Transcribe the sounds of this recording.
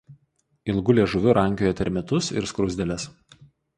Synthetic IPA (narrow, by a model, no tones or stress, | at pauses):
ɪlˠɡʊlʲeːʒʊʋʲʊɾʔɐŋʲkʲoːjɛt̪ʲɛɾʲmʲɛt̪ʊsɪ̰ɾskɾɔʊzʲd̪ʲɛlʲɛs